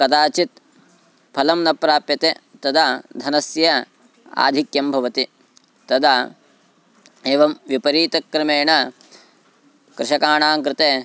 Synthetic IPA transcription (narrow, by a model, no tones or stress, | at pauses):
kɐt̪aːt͡ʃit̪̚ | pʰɐlɐmnɐpɾaːpjɐt̪et̪ɐd̪aːd̪ʱɐnɐsjɐ | a̰ːd̪ʱikjɐmbʱɐʋɐt̪i | t̪ɐd̪aː | eːʋɐmʋipɐɾiːt̪ɐkːɾɪmeːɳɐ | kɾɪʃɐkaːɳaːŋkɾɪt̪eː